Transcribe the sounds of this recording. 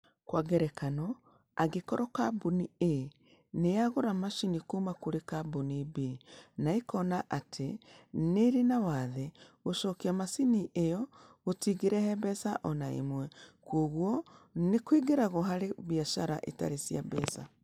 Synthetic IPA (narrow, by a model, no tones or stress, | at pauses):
kwaɡɛɾɛkanɔ | aɡekɔɾɔkabunie | neaɣoɾamaʃinikumakoɾekabunibenaekɔnaʔatʰeneɾinawaðɛɣoʃɔkiamasiniʔejɔɣotiɣeɾɛhɛbɛsaʔɔnaḛmwɛkoɣwɔnekwiɡeɾaɣoɦaɾeβiaʃaɾa̰ʔeta̰ɾesia̰bɛsa̰